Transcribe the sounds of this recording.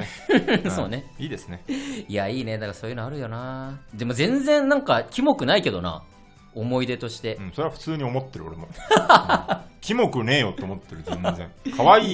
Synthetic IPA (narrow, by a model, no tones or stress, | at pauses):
so̞ːne̞iːd̪e̞sɨneiaiːne̞d̪akasoːjɯ̟noaɾɯ̟jo̞naːd̪e̞mo̞zẽ̞nzẽ̞nːãŋkakʲimo̞kɯ̟naike̞d̪ona̰ | omo̞id̪e̞t̪o̞ɕi̥t̪e̞ɯ̃ɴso̞ɾeβaɸɯ̟̥t͡sɨːɲ̟io̞mo̞t̪ːe̞ɾɯo̰ɾe̞mo | kʲimo̞kɯ̟ne̞ːjo̞t̪eomot̪ːeɾɯ̟zẽnd͡zẽ̞ŋkʰaβaiː